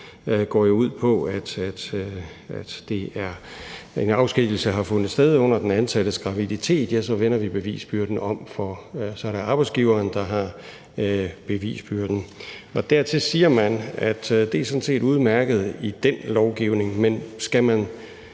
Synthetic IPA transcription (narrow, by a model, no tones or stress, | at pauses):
ɡ̥ɒ̰ːjo̝uð̞̰ˠpʰɒ̽æd̥æd̥ | æd̥d̥e̝æɐe̝nɑ̈ʊsɡ̥iɡ̥l̩səɦɑ̈fɔ̽n̰ð̩ˠsd̥eð̞ˠɔ̽n̰ɐd̥enænsæɾ̥əsɡ̥ʁɑ̈ʋidit͡sʰe̝̰ːd̥jæsɒ̽ʋen̰ɐʋib̥e̝ʋḭːsb̥yɐd̥n̩ɒ̽mfɒsɒ̽ɐɾ̥eɑ̈ːb̥ɑ̈ɪsɡ̥iːʊɐːnd̥ɑ̈ɦɑ̈ | b̥e̝ʋḭːsb̥yɐd̥n̩ɒ̽d̥æɐt͡sʰe̝siːɐmænæd̥d̥e̝æsɔ̽dn̩se̝̰ːduð̞ˠmæɐɡ̥ð̞̩ˠid̥enlɒʊɡ̥iʊne̝ŋmensɡ̥æmæn